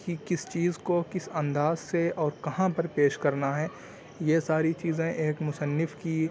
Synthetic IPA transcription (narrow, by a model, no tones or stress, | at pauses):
kikɪst͡ʃiːzkokɪsɐ̃nd̪aːzseɔːɾkɐɦãpɐɾpeːʃkɐɾnaɦɛː | jesaːɾit͡ʃiːzẽʔeːkmʊsənːɪfki